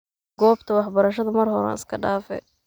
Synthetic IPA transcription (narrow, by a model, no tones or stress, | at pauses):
ɡ̥ɔːbt̪ʰɐwɑħbɐɾɐʃɐðɐmɐrhɔɾa̰ːnɪskʰɐɖaːfɛ̰